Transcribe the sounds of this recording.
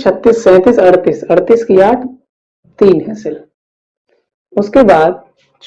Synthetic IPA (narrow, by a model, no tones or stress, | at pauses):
t͡ʃʰɐt̪ːiːsːɛ̃ːt̪iːsɐɾt̪iːsɐɾt̪iːskijaːʈʰ | t̪iːnɦɛsɪl | ʊskebaːd̪̚ | t͡ʃ